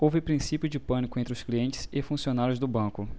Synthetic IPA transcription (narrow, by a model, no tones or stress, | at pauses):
owvɪpɾĩsipjʊd͡ʒɪpɐ̃nikʊẽt̪ɾɪʊskliẽnt͡ʃɪ̥z̥ɪfũsionaɾjʊzd̪ʊbɐ̃kʊ